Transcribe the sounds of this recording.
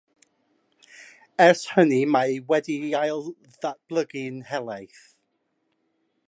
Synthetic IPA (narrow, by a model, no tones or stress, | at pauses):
ɛshənimawɛdiajlˠ | ðab̥lˠəɡɪnhɛlˠajθ